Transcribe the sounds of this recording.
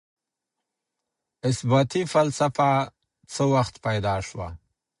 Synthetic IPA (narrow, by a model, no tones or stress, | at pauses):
ɪsbat̪ifalsafa | t͡səwaxt̪pajd̪ɑʂwa̰